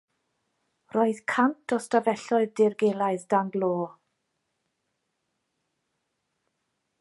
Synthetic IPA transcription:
roːɨðkʰantʰɔstavɛɬɔɨðdɪrɡeːlˠaɨðdaŋɡloː

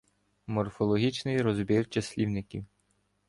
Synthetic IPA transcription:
mɔrfɔlˠɔɦʲit͡ʃnɪjɾɔzbʲirt͡ʃɐsʲlʲiwnɪkʲiw

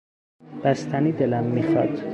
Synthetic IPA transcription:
b̥æst̪ʰæniːd̪elæmːiːxɒd̪̥

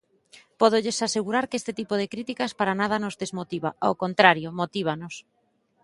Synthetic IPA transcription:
pɔð̞oʎesaseɣuɾaɾkest̪ɪt̪ipoðekɾit̪ikaspaɾanað̞anozðezmot̪iβaawkont̪ɾaɾjomot̪iβ̞anos

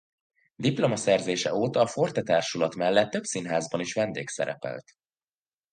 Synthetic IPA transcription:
d̪iplo̞mɒsɛrzeːʃɛoːt̪ɒːfort̪ɛt̪aːrʃulɒt̪mɛlːɛt̪ːø̞bsinɦaːzbɒniʃʋɛnd̪eːksɛ̰ɾɛ̰pɛ̰lt̪

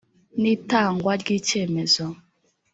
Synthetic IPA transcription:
nitaŋɡwaɡit͡ʃɛmɛzɔ

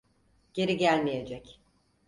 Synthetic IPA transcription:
ɟ̥e̞ɾiɟælʲmije̞d͡ʒɛc

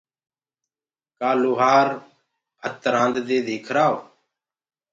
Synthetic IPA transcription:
kaːluːɦaːɾ | ɦət̪ɾãːnd̪d̪eːd̪ʱiːkʰɾaːo

